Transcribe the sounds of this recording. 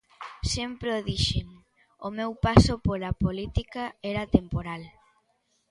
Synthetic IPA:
sempɾoðiʃeŋ | omewpasopolapolit̪ikaɛɾat̪empoɾal

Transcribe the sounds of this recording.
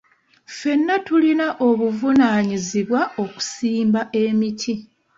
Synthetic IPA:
fe̞nːatulinaʔo̞βuvunaːɲiziβwao̞ku̥siːmbaʔe̞mitʰi

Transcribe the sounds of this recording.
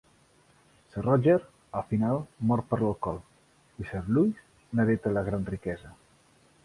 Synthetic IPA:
sərɔd͡ʒeɾ | əfinalˠmɔɾpəɾləlˠkɔlˠ | isəɾlujs | nəðet̪ələɣ̞ɾanrikɛzə

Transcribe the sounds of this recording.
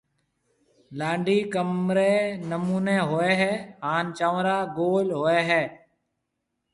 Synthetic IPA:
lãːɳɖiːkəmɾeːnəmuːneːɦoːeːɦɛːɦaːnt͡ʃaːʋɾaːɡoːlɦoːeːɦɛː

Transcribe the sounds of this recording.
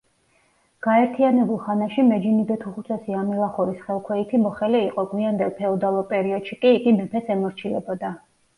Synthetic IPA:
ɡ̥aɛɾt̪ʰianɛbulˠχanaʃimɛd͡ʒinid̪ɛt̪ʰuχut̪sʰɛsiamilˠaχuɾisχɛlˠkʰwɛit̪ʰimɔχɛliːqʼɔɡwiand̪ɛlˠpʰɛɔd̪alˠɔpʼɛɾiɔd̪̥ʃikʼiːɡimɛpʰɛsɛmɔɾt͡ʃʰilɛbɔd̪a

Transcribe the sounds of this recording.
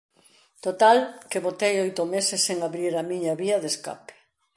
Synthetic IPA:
t̪ot̪alkeβot̪ejojt̪ʊmesesːeŋaβɾiɾɐmĩɲɐβiɐðeska̰pɪ̥

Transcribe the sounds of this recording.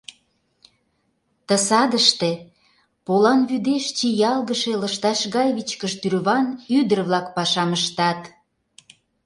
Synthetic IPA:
t̪ə̆sɑd̪əʃt̪e̽ | polɑnβyd̪eʃt͡ɕijɑlˠɣəʃeləʃt̪ɑʃɣɑjβit͡ɕkəʃt̪yrβɑnyd̪ərβlɑkpɑʃɑməʃt̪ɑt̪

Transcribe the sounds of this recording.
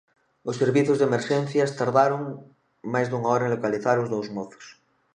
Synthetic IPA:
osːeɾβiθjozðemeɾʃẽnθjast̪aɾðaɾoŋ | majzðuŋaoɾaenlokaliθaɾozðowzmoθo̥s

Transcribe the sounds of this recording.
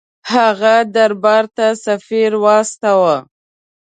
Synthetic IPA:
haɣad̪aɾbɑɾt̪asafiɾwɑst̪awa

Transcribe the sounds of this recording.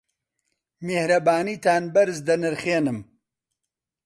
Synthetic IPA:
mehɾɐbaːniːt̪ʰaːnbɐɾɨzd̪ɐnɨɾχeːnɨm

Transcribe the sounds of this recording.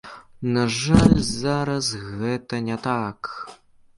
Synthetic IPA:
naʐalʲzaɾɐsɣɛt̪ɐnʲɛt̪ak

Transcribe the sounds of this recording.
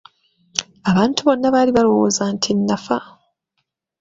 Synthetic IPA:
aβaːntuβo̞nːaβaːliβalo̞wo̰zaːntʰinːafa

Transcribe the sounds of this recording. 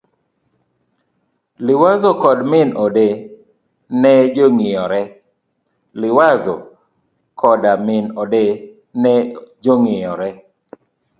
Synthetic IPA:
lɪwazɔkɔdmɪnɔde | nɛd͡ʒoŋɪjɔɾɛ | lɪwazɔ | kʰɔdamɪnɔde | nɛd͡ʒoŋɪjɔɾɛ

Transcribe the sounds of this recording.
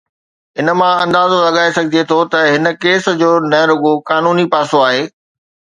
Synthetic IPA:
ɦɪnə̆mãɐ̃nd̪aːzolɐɠaːesɐɡʱɪd̪iet̪ʰot̪ɐɦɪnə̆keːs̆d͡ʑoːnɐ̃ɾʊɠokaːnuːnipaːsoaːɦeː

